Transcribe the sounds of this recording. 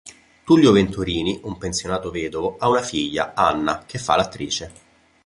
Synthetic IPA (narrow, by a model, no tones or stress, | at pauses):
t̪uljovent̪uɾiːniʔumpensjonaːt̪oveːd̪ovoʔaunafiʎːa̰anːakefːa̰lːat̪ːɾiːt͡ʃe